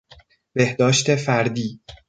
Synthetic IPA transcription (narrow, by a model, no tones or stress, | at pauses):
b̥e̞hd̪ɒːʃt̪ʰefæɾd̪iː